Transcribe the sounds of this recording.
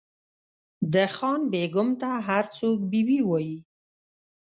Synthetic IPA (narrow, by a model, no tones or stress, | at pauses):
d̪əxɑnbeɡʊmt̪aɦaɾt͡sok̚biwiwɑji